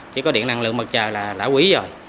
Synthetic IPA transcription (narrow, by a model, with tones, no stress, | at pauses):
t͡ɕi˧˦kɔ˨˦ɗḭ˧˨əna˨˩ŋlɨ̰˨˧˨ŋ̚mɓə˨˩t̚t͡ɕəː˨˩laː˨˩la̰ː˧˥wi˧˨˦zo˨˩j